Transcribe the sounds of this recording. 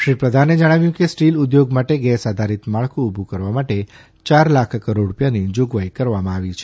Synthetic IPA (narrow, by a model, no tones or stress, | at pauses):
ʃɾipɾəd̪ʱaned͡ʒəɽ̃aʋjũkesʈilud̪joɡmaʈeɡɛsad̪ʱaɾit̪maɭkuubʱukəɾʋamaʈe | t͡ʃaɾlakʰkəɾoɽɽupjanid͡ʒoɡʋajkəɾʋamãaʋit͡ʃʰe̥